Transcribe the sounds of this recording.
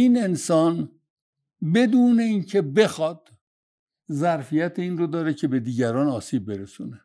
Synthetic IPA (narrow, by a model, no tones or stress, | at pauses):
ine̞nsɒːn | be̞d̪uːne̞iːncʰe̞be̞xɒːd̪̥̚ | zæɾfijæt̪ʰeiːnrod̪ɒːɾecʰe̞be̞d̪iːɟæɾɒːnɒːsiːb̚ːe̞ɾesṵːne